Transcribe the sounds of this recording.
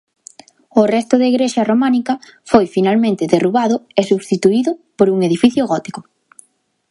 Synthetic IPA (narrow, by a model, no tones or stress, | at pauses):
ʊrɛst̪ʊðeiɣɾeʃɐromanikɐfojfinalmẽnt̪ɪðeruβaðʊesuβst̪it̪uiðʊpoɾuŋeðifiθjʊɣɔt̪i̥kʊ